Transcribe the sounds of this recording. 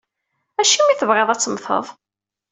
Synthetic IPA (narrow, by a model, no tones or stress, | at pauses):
æʃimiθəvʁeðˤæt͡sːəmθə̰ðˤ